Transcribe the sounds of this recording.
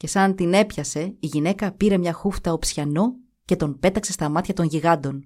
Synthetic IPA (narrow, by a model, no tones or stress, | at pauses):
ce̞sɐnt̪ine̞pçɐse̞iʝine̞kɐpiɾe̞mɲɐxuft̪ɐopsçɐno̞ | ce̞t̪o̞npe̞t̪ɐksest̪ɐmɐt̪çɐt̪o̞ɲʝiɣɐnd̪o̞n